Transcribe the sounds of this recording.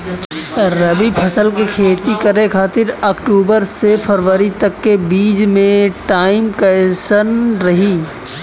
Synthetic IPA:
ɾɐbipʰɐsəlk̬ekʰeːt̪ikɐɾekʰaːt̪ɪɾɐkʈuːbəɾsepʰəɾʋəɾit̪ɐkːebiːd͡ʒmẽʈaːɪmkɐʃənɾɐɦiː

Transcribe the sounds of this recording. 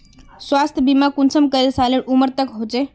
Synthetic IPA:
sʋast̪ʰəbimakunsəmkəɾelsaleɽuməɾt̪əkɦot͡se

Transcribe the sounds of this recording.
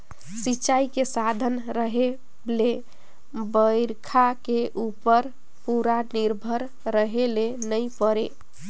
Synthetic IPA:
sit͡ʃajkesad̪ʱənɾəɦe | le | bəjɾkʰakeʔupəɾ | puɾaniɾbʱəɾ | ɾəɦelenəjpəɾe

